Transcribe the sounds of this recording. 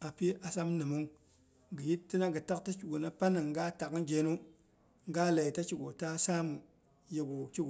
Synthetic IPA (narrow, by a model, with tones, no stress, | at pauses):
a˨pi˦a˨sa˦mnɨ˨mu˦ŋ | ɡə˨ji˦tːi˦na˦ɡə˨ta˦kta˦t͡ʃu˨ɡo˨na˦pa˦na˨ŋɡa˦ta˨kd͡ʒe˨nu˦ | ŋɡa˦la˨i˨ta˦t͡ʃi˨ɡo˨ta˦sa˦mu˨ | je˨ɡu˨t͡ʃi˦ɡo˨